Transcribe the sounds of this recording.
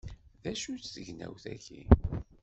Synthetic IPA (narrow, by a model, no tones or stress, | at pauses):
ðæʃut͡sθəʝnæ̰wθæçi